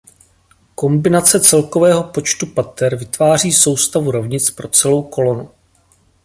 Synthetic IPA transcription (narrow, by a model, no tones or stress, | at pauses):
ko̞mbɪnat͡sɛt͡sɛlko̞vɛːɦo̞pot͡ʃt̪upat̪ɛɾvɪt̪vaːr̝iːso̞wst̪avuɾo̞vɲɪt͡spɾo̞t͡sɛlo̞wko̞lo̞nu